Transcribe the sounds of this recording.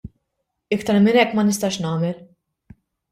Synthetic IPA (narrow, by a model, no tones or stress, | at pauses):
ɪkt̪ɐɾmɪnɛkːmɐnɪst̪ɐːʃnɐːmɛl